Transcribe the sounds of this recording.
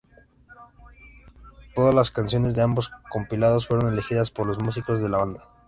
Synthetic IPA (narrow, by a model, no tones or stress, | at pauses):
t̪o̞ðazlaskansjo̞ne̞zðe̞ambo̞sko̞mpilaðo̞sfwe̞ɾo̞ne̞lexiðaspo̞ɾlo̞zmus̬iko̞zðe̞laβand̪a